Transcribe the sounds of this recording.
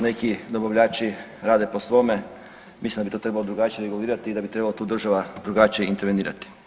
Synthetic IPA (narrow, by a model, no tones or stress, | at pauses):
ne̞kid̪obaʋʎʲaːt͡ʃi | ɾaːd̪e̞posʋo̞me | mislimd̪abit̪ot̪ɾe̞balod̪ɾuɡat͡ʃijɾeɡuliːɾat̪iːd̪abit̪ɾe̞balo̞t̪uːd̪ɾr̩ʒaʋad̪ɾuɡat͡ʃijeint̪eɾʋeniːɾa̰t̪i̥